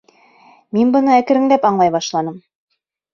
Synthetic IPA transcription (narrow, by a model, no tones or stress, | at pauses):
minbɤ̆nɤækɘ̆ɾɘ̆ŋlæpɑɴlˠɑjβɑʃlˠɑnɤm